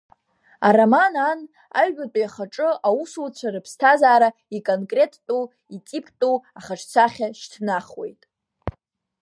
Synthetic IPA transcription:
a̰ramanan | a̰ɥːatʼijaχaʈ͡ʂʼɨawusut͡ɕʷʰaɾɨpʰstʰazaːɾaikʼonkʼre̞tʰːʼu | it͡sʼipʰtʼuaχaʈ͡ʂʰt͡sʷʰaχʲaʃtʰnaχwe̞̰jtʼ

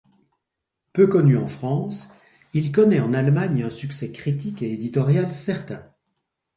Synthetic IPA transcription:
pøkɔnyɑ̃fχɑ̃s | ilkɔnɛɑ̃nalmaɲɛ̃syksɛkχit̪ikeed̪it̪ɔʁjalsɛʁt̪ɛ̃

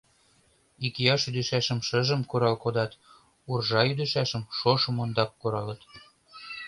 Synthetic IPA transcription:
ikjɑʃyd̪ɘ̆ʃæʃə̆mʃə̆ʒə̆mkuɾɑlkod̪ɑt̪ | urʒɑjyd̪ə̆ʃæʃə̆mʃoʃɤ̆mond̪ɑp̚koɾɑlə̆t̪

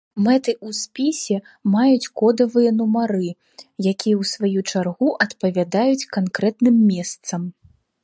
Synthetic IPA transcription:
mɛt̪ɨʔusʲpʲisʲɛ | majut͡sʲkɔd̪ɐvɨjɐnumaɾɨ | jakʲijɐwsvajut͡ʂarɣuʔɐt̪pɐvʲad̪ajut͡sʲkankɾɛt̪nɨmːʲɛst̪sɐm

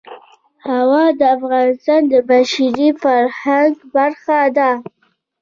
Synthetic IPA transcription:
hawɑd̪əafɣɑnɪst̪ɑnd̪əbaʃaɾifaɾhaŋɡbaɾxad̪a

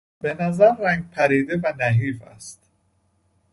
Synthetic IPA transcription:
be̞næzæɾːæŋɡ̚pʰæɾiːd̪evænæɦiːfæ̰st̪

